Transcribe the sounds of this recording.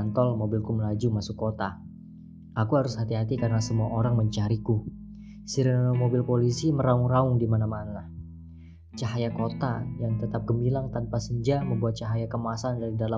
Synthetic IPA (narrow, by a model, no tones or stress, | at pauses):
nt̪ɔlmobɪlkuməlad͡ʒumasʊkːot̪a | akuɦaɾʊshat̪iɦat̪ikarənasəmuaʔoɾaŋməɲt͡ʃaɾiku | siɾənnomobɪlpolisiməɾaʊŋraʊŋdimanamanalah | t͡ʃaɦajakot̪ajaŋt̪ət̪ap̚ɡəmilaŋt̪anpasəɲd͡ʒaməmbuat̪̚t͡ʃaɦajakəmasandaɾidala